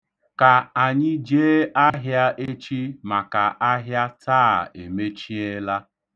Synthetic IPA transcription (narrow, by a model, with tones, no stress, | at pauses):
ka˨a˨ɲɪ˦d͡ʒeː˦ʔa˦ɦja˦ʔe˦t͡ʃi˦ma˨ka˨ʔa˦ɦja˦taː˦˨ḛ˨me˦t͡ʃi˦e˦la˦